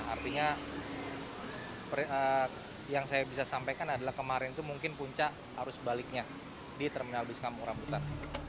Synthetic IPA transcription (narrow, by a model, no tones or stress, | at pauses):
a̰rt̪iɲa | pə | jaŋsajabisasampajkanadalahkəmaɾɪnt̪umuŋkɪnpuɲt͡ʃaʔ | haɾʊsbalɪk̚ɲa | diat̪ərminalbɪskamuɾambut̪an